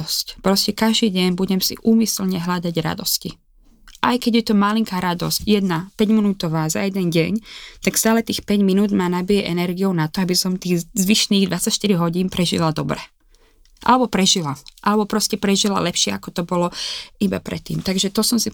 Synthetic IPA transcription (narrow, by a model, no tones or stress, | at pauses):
ɔscpɾɔscɛkaʒd̪iːɟɛɲbuɟɛmsḭʔuːmislɲɛɦlad̪aɟɾa̰d̪ɔscḭ | ʔajkɛɟjɛt̪ɔmaliŋkaːɾad̪ɔ̰scjɛd̪napɛɟminuːt̪ɔʋaːza̰jɛd̪ɛnɟɛɲt̪akst̪aːlɛt̪iːxpɛɟminuːd̪maːnabijɛʔɛnɛɾɡijɔʊnat̪ɔabisɔmt̪iːɣzʋiʃniːɣd̪ʋat͡sacʃt̪iɾiɦɔɟiːnpɾɛʒḭlad̪ɔbɾɛ | ʔa̰lɛbɔpɾɛʒilaʔa̰lɛbɔpɾɔscɛpɾɛʒila̰lɛpʃɪɛakɔt̪ɔbɔlɔiba̰pɾɛ̰t̪ːḭːmt̪aɡʒɛt̪ɔsɔmsi